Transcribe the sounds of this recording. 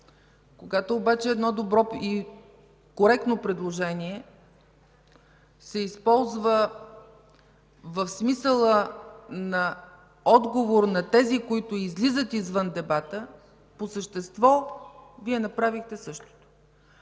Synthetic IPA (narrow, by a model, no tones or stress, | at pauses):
koɡat̪oːbat͡ʃɛːd̪nɔd̪obɾɔi | koɾɛk̚t̪nopɾɛd̪lˠoʒɛniɛ | sɛispɔlˠzvə | vəfsmisəlˠənɐ | ɔd̪ɡovoɾnɐt̪ɛzikoit̪ʊizlizət̪izvɤnd̪ɛbat̪ə | posəʃt̪ɛst̪vɔviɛnɐpɾavixt̪ɛsɤʃt̪o̥t̪o̥